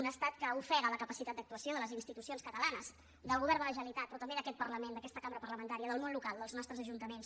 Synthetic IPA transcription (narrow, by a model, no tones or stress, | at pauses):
unəst̪at̪kəufɛɣələkəpəsit̪at̪d̪əkt̪uəsioðələzinst̪it̪usionskət̪əlanəz | d̪əlˠɣuβɛɾnd̪ələʒəlit̪at̪̚pɾɔt̪əmbeðəkɛt̪̚pərləmend̪əkɛst̪əkambɾəpərləmənt̪aɾiəðəlˠnonlukalˠd̪əlznɔst̪ɾəzəʒunt̪əmens